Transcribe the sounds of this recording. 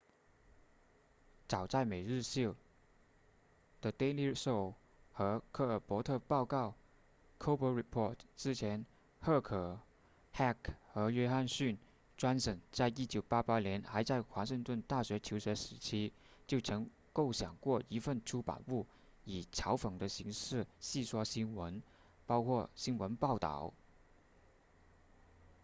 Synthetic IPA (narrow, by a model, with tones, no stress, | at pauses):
t͡sɑ˨˩ʊt͡sa˥˩ɪme˨˩ɪɻɻ̩˥˧ɕo˥˩ | d̪̥ə˨t̪e˥ɪli˥so˥˩ʊ | xɤ˧˥kʰɤ˥˩pwɔ˧˥t̪ʰɤ˥˧pɑ˥˧ʊkɑ˥˩ʊ | kʰo˥ʊpə˧˥ɹi˨˩pʰɔ˥˩tʈ͡ʂɻ̩˥t͡ɕʰjɛ˧˥n | xɤ˥˩kʰɤ˨˩ | xa˥˩kxɤ˧˥ɥɛ˥xa˥˧nɕy˥˩n | ʈ͡ʂwa˥nʂɤ˨˩ŋt͡sa˥˩ɪi˥t͡ɕjo˨˩ʊpa˥pa˥ljɛ˧˥nxa˧˥ɪt͡sa˥˩ɪxwa˧˥ʂɤ˥˧ŋt̪wə˥˧nt̪a˥˩ɕɥɛ˧˥t͡ɕʰjo˧˥ʊɕɥɛ˧˥ʂɻ̩˧˥t͡ɕʰi˥ | t͡ɕjo˥˩ʊʈ͡ʂʰɤ˧˥ŋ | ko˥˩ʊɕjɑ˨˩ŋkwɔ˥˩i˧˥fə˥˩nʈ͡ʂʰu˥pa̰˨˩npu˥˩ | i˨˩ʈ͡ʂʰɑ˧˥ʊfɤ˨˩ŋd̪ə˦ɕi˧˥ŋʂɻ̩˥˩ɕi˥˩swɔ˥ɕi˥nwə˧˥n | pɑ˥ʊkʰwɔ˥˩ɕi˥nwə˧˥npɑ˥˩ʊt̪ɑ̰˥˩ʊ